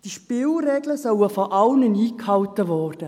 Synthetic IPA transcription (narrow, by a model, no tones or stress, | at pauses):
d̥iʃpɪːlrɛːɡləsœwəfɔʔɑlnəniːkhɑwtəʋɔːrd̥ə